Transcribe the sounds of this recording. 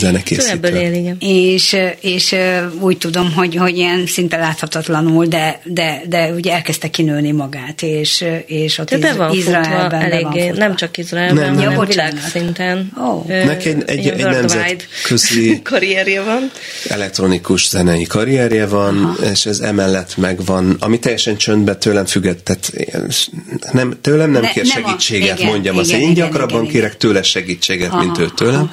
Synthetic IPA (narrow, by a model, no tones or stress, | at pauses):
zɛnɛkḛːsibeːliɡɛneːʃeːʃøuːct̪ud̪o̞mɦo̞ɟho̞ɟiɛnsint̪ɛlaːt̪hɒt̪ɒt̪lɒnuld̪ɛd̪ɛd̪ɛuɟɛɛlkɛst̪ɛkːinøːnimɒɡaːt̪eːʃeːʃot̪ːiɛvɔizrɒɛlbɛnɛlɛeːvɒnːeːnɛmt͡ʃɒkizrɔɛlnɛmbovt͡ʃaːnasint̪ɛnoːnɛkɛɟɛ̰ɛnɛmzɛjd̪kʰøzlikɒɾiɛɾjɛvɒn | ɛ̰lɛk̚t̪ro̞nikuʃz̥ɛnɛjikɒɾiɛɾjɛvɒneːʃɛzɛ̰mɛlːɛt̪mɛɡvɒnɒ̰mit̪ɛjːɛʃɛnt͡ʃønd̪bɛt̪øːlɛɱfyɡːɛt̪ːɛt̪ḛ | nɛmt̪øːlɛmnɛmkeːrʃɛɡiːt͡ʃːeːɡɛt̪mo̞ɲɟɒmɒt̪eːɲɟɒkrɒbːɒŋkeːɾɛkt̪øːlɛʃɛɡiːt͡ʃːeːɡɛt̪mint̪øːt̪øːlɛm